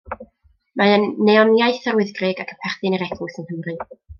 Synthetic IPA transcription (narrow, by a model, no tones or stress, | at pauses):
maənːeɔnjajθarwɪðɡrɪɡakʰəpʰɛrθɨnəɾɛɡʰʊsənhəmrɨ